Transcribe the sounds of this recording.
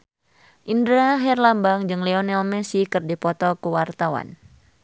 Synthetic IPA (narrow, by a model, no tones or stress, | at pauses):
ʔindɾaɦɛrlambaŋd͡ʒɨŋlɛɔnɛlmɛsikɨrdipɔt̪ɔkuwart̪awa̰n